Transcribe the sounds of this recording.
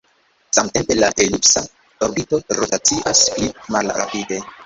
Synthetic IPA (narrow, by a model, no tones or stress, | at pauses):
samte̞mpe̞laʔelipsa | oɾbito̞ɾotat͡siʔasplimalɾa̰pide̞